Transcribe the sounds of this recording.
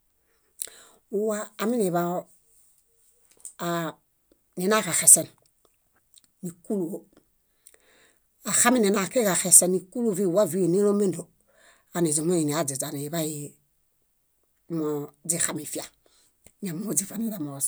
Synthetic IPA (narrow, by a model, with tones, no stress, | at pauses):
u˦waː˦˨mi˦ne˨βa˦˨ | ni˨na˦˨ka˨xe˨se˨n | i˨ku˦lu˨o˦ | a˨xa˦mi˦ni˨na˨ke˦ka˨xe˨se˦nːi˨ku˦lo˦˨vi˦˨wa˦vi˦e˨ni˦ɾo˦me˦ndo˨ | a˨ni˨d͡ʒi˨mo˦ji˨ni˨a˨d͡ʒi˨za˨ni˨βa˦ji˨˦ | mo˨d͡ʒi˦˨xa˨mi˨fi˦a˨ | ɲa˨m˦o˦d͡ʒi˦fa˨ni˦da˨mo˨s